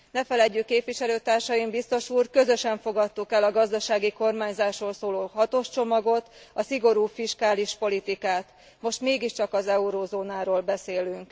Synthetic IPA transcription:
nɛfɛlɛɟːykːeːpʋiʃɛløːt̪aːrʃɒjimbist̪o̞ʃuːrkø̞zø̞ʃɛɱfo̞ɡɒt̪ːukɛlɒɡɒzd̪ɒʃaːɡiko̞rmaːɲzaːʃroːlsoːloːɦɒt̪o̞ʃt͡ʃo̞mɒɡo̞t̪ | ɒsiɡo̞ɾuːfiʃkaːliʃpo̞lit̪ikaːt̪ | mo̞ʃt̪meːɡiʃt͡ʃɒkɒzɛuɾoːzoːnaːɾoːlbɛseːlyŋk

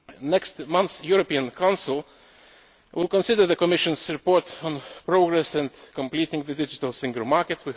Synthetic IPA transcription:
nɛkstmʌ̃nθsjuɹɔpiə̃nkʰãʊ̃nsɪl̩ˠ | wɪlˠkə̃nsɪdə˞ðəkɔmɪʃɨ̃nzɹɨpɔɹtn̩pɹoʊɡɹɛsɛ̃ndkə̃mplitɪ̃ŋðɨdɪd͡ʒɪtəlˠsɪ̃ŋɡl̩ˠmɑɹkɨtwi

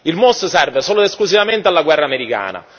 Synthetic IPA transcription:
ilmost̪sɛrvesoːloesklusivament̪ealːaɡwɛrːaːmeɾika̰ːna̰

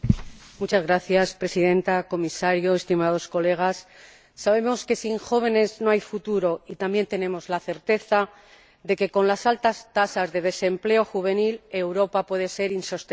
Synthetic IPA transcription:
mut͡ʃazɣɾaθjaspɾe̞siðẽ̞nt̪ako̞misaɾjo̞est̪imað̞o̞sko̞le̞ɣ̞asː | aβe̞mo̞ske̞siŋxo̞β̞e̞ne̞zno̞ajfut̪uɾo̞it̪ambje̞nt̪e̞ne̞mo̞zlaθe̞ɾt̪e̞θa | d̪e̞ke̞ko̞nlasalt̪ast̪asazðe̞ð̞e̞se̞mple̞o̞xuβ̞e̞nile̞wɾo̞papwe̞ðe̞se̞ɾinso̞st̪e

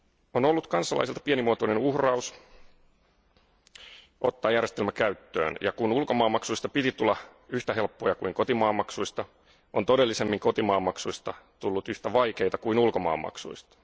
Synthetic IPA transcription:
ono̞lːut̪kɑnsːɑlɑ̰isilt̪ɑ̥pienimuot̪oinenuhrɑus | ot̪ːɑːjærjest̪elmækæyt̪ːø̰ːnjɑ̰kunulko̞mɑːmːɑksuist̪ɑpit̪it̪ulːɑyht̪æɦe̞lpːojɑkuiŋko̞t̪imɑːmːɑksuist̪ɑ | ʔont̪o̞de̞lːisemːiŋko̞t̪imɑːmːɑksuist̪ɑt̪ulːut̪yht̪æʋɑike̞jt̪ɑkuinulkomɑ̰ːmːɑ̰ksṵist̪ɑ̥

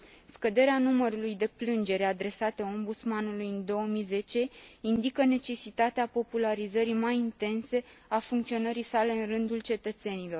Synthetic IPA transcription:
skəd̪e̞ɾeanuməɾulujd̪e̞plɨnd͡ʒe̞ɾead̪ɾe̞sat̪eo̞mbut̪smanulujɨnd̪o̞əmize̞t͡ʃe̞ind̪ikəne̞t͡ʃe̞sit̪at̪eapo̞pulaɾizəɾimajint̪e̞nse̞afuŋkt̪sio̞nəɾisale̞ɨnrɨnd̪ult͡ʃe̞t̪ət̪se̞nilo̞r

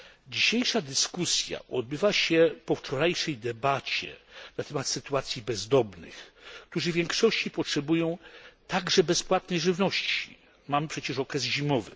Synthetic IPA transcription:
d͡ʑiɕejʂad̪ɘskusʲja̰ʔɔd̪̚bɘvaɕɛpɔft͡ʂɔɾajʂɛjd̪ɛbat͡ɕɛ̰nat̪ɛmat̪sɘt̪uat̪sʲjibɛzd̪ɔbnɘ̰xk̚t̪uʐɘvʲjɛŋkʂɔɕt͡ɕipɔtʂɛbujɔ̃w̃t̪aɡʐɛbɛspwat̪nɛjʐɘvnɔɕt͡ɕi̥̰ | mampʂɛt͡ɕɛʂɔkɾɛzʑimɔvɘ̰

